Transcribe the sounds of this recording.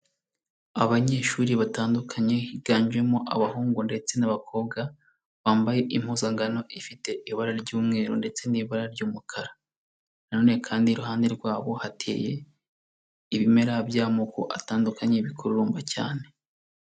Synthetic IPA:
aβaɲe̞ːʃuːɾiβataːndukʰaɲe̞hiɡ̥aːɲd͡ʒe̞moʔa̰βahuːŋɡunde̞t͡se̞naβakʰo̞ːbɡa | βaːmbaje̞ʔim̥huzaŋɡano̞ʔifite̞ʔiβaɾaɾɟuːmŋe̞ːɾonde̞t͡se̞niβaɾaɾɟuːmukʰaɾḁ | nano̞ːne̞kʰaːndiɾuhaːnde̞ɾɡwaːβo̞hatʰḛje̞ | iβime̞ɾabjaːmokuʔataːndukʰaɲeiβikʰuɾuɾuːmbaca̰ːne̞

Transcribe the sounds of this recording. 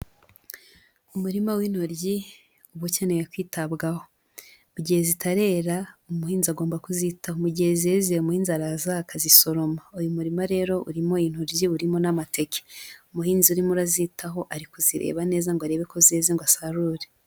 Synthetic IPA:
umuɾimawiːnhoɾɟi | uβucanejekwiːtaβɡaho̞ | muɟihezitʰaɾe̞ːɾaumuhiːnziaɡo̞ːmbakuzitahomuɟihezezeumuhiːnzaɾazakaziso̞ɾo̞maojumuɾimaɾe̞ːɾo̞ʔṵɾimo̞jiːn̥hoɾɟiuɾimo̞namatʰe̞ke̥umuhiːnziuɾimuɾazitʰaɦo̞ʔaɾikuziɾḛːβane̞ːzaŋɡwaɾeβe̞ko̞zeziŋɡwasaɾuːɾe

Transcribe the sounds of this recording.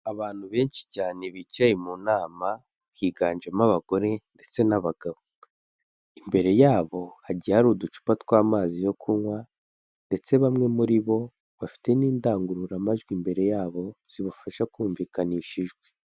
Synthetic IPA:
aβaːn̥huβe̞ːnt͡ʃi̥caːne̞βit͡ʃajemunaːma | kiːɡaːnd͡ʒamaβaɡ̥o̞ɾe̞nde̞t͡se̞naβaɡ̥aβo | imbe̞ɾe̞jaːβo̞haɟiaɾudut͡ʃu̥patkwaːmaːzijo̞kʰuŋwa | nde̞t͡se̞βamŋe̞muɾiβo̞ | βafi̥te̞niːndaːŋɡuɾuɾamaʒɡwimbe̞ɾe̞jaːβo̞z̥iβufaʃakuːɱviːkaniʃiʒɡwe

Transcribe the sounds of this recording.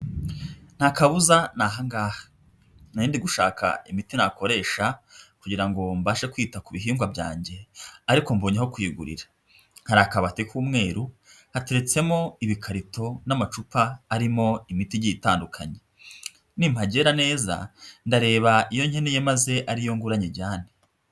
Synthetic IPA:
n̥hakaβuzanaɦaŋɡaːhḁ | najiːndiɡuʃa̰ːkʰa̰imitinako̞ɾe̞ːʃakuɟiɾaŋɡo̞mbaːʃekwiːtakuβiɦiːŋɡwabɟa̰ːɲɟe̞aɾiko̞mboːɲeɦokwiɡṵɾḭɾḁ | nhaɾaːkaβatekʰuːmŋe̞ːɾu | hate̞ɾet͡se̞mo̞iβikʰaɾitʰo̞namat͡ʃupʰaːɾimo̞imitiɟitaːndukʰa̰ɲe̞ | nim̥haɟe̞ɾane̞ːza̰ndaɾe̞ːβaijo̞ɲhenojemaze̞ʔaɾijo̞ŋɡuɾaɲeɟaːne

